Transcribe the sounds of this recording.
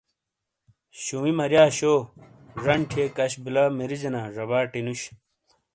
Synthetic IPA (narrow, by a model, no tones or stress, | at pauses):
ɕumimɐɾjaːɕoː | ʐɐɳʈʰekɐɕbilaːmiɾid͡ʑenaːʐɐβaːʈinuɕ